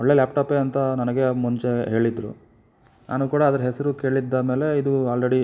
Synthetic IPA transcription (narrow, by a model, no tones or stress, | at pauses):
ɔɭːe̞ːlaːpʈaːpeːɐnt̪ɐnɐnɐɡe̞muɲt͡ʃe̞ɦe̞ːɭid̪ɾṵ | nʔa̰ːnuːkuːɽɐːd̪ɐɾɐɦɛsɐɾuke̞ːɭid̪ːɐme̞ːle̞id̪uaːlɾeɽi